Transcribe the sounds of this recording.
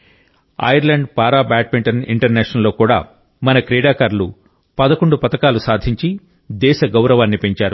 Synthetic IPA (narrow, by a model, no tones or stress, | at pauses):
ɐ̰jɐɾlɐɳɖpaːɾaːbaːʈ̚piɳʈɐnḭɳʈɐɾnɛːʂɐnɐlːo̞ːkuːɽaː | mɐnɐkɾɛːɽaːkaɾlu | pɐd̪ɐkoɳɖupɐt̪ɐkaːlusaːd̪ʱiɲt͡ʃi | d̪ɛːʃɐɡɐwɾɐʋaːnːipe̞ɲt͡ʃaːɾu